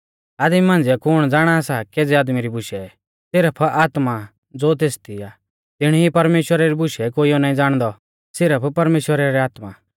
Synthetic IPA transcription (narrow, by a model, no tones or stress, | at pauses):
aːd̪mimãnd͡zɪɛkʊɽ̃d͡zaːɽ̃asakeːd͡zɛaːd̪miɾibʊʃɛ | sɪɾəpʰaːt̪ma | d͡zoːt̪̬eːst̪ia | t̪ɪɽ̃ipɐɾmeːʃwəɾaɾibʊʃɛkoːiɔnaːĩd͡zaːɽ̃d̪ɔ | sɪɾəpʰpɐɾmeːʃwəɾaɾɛaːt̪ma